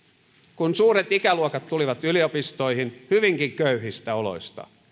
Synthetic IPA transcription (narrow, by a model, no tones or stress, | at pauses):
kunsuːɾet̪ikæluokɑt̪ːuliʋɑt̪yliopist̪o̞ihinhyʋiŋkiŋkøyɦist̪æolo̰ist̪ɑ̰